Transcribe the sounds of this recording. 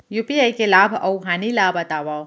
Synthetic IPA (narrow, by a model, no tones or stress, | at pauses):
jupiajkelaːbʱɐwɦaːnilaːbɐt̪aːʋa